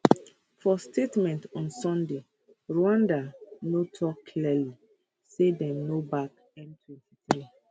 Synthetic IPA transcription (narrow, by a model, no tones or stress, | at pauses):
fɔstʰetmɛ̃ntɔ̃nsɔ̃nde | ɹoãndanotʰɔkːʰliɛli | sedɛ̃mnobak | ɛ̃ntʰwɛ̃ntʰiθɹi